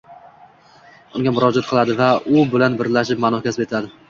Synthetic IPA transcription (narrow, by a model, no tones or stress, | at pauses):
ʊŋɡʲamʊɾɒd͡ʒat̪̚qʰɨlˠad̪ɪvaʊbɪlanbɪɾlaʃɪp̚manɒhkʲasɪpet̪ɪlad̪ɪ